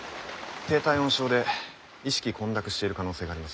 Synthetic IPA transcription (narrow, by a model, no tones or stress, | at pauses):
t̪e̞ːt̪aiõɕo̞ːd̪e̞ | iɕi̥kʲikʰõ̞nd̪akɯ̟ɕi̥t̪e̞iɾɯ̟kano̞ːse̞ːɡaːɾimas